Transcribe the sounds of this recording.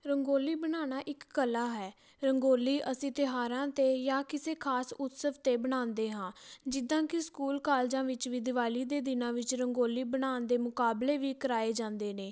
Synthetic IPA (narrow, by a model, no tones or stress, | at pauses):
ɾəŋɡoːliːbəɽaːɽ̃aːʔɪkːəlaːɦɛː | ɾəŋɡoːliːʔəsĩːt̪ɪɦaːɾãːt̪eːjaːkɪseːkʰaːsʊt̪səʋt̪eːbəɽ̃aːnd̪eːɦãːd͡ʒɪd̪ãːkɪskuːlkaːld͡ʒãːʋɪt͡ʃʋɪd̪ɪʋaːliːd̪eːd̪ɪnãːʋɪt͡ʃɾəŋɡoːliːbəɽ̃aːnd̪eːmʊkaːbleːʋiːkəɾaːeːd͡ʒãːnd̪eːneː